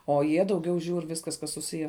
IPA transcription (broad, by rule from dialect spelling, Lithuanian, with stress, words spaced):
oː ˈjiɛ dɐʊˈɡʲɛʊ ˈʒʲuːr ˈʋʲɪskɐs kɐs sʊˈsʲɪjæː